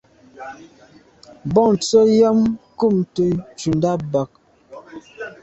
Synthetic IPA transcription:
bɔ˦ŋnt͡so˦ja˦mku˦˨mtə˨t͡ʃu˨nda˦ba˨k̚

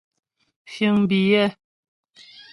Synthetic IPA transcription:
fjə˨ŋbi˨jɛ˦˨

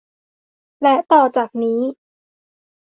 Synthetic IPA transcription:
lɛ˦˥t̪ɔː˨˩t͡ɕaː˨˩k̚niː˦˥

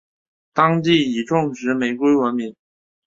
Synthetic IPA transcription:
t̪ɑ˥ŋt̪i˥˩i˨˩ʈ͡ʂʊ˥˩ŋʂɻ̩˧˥me˧˩ɪkwe˥ɪwə˧˥nmi˧˥n

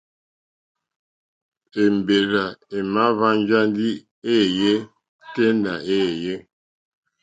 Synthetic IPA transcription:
e˨m˨be˨ɾa˨e˨ma˦βa˦n˦d͡ʒa˦ndi˦ | e˦˨je˦ | te˦nda˨e˦˨je˦

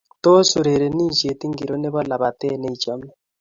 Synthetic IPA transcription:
to˦su˨ɾe˨ɾe˨niː˦nt͡ʃe˨ti˦ŋɡi˨ɾo˦ne˦βa˦la˨βa˨te˦ne˦it͡ʃa˦mna

